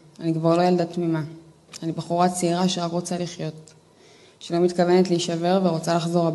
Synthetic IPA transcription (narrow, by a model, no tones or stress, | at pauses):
anikvaʁlojaldatmima | anibaχuʁat͡seiʁaʃeʁakʁo̞t͡saliχjo̞t | ʃelo̞mitkave̞netliiʃave̞ʁveʁot͡salaχzo̞ʁab